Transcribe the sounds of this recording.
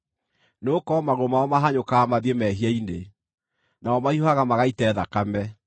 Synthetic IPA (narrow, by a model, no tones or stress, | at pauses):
noːkɔmaɣomaɔmaɦaɲokaːmaðemɛɦiaine | naɔmaiaɣamaɣaitɛːðakamɛ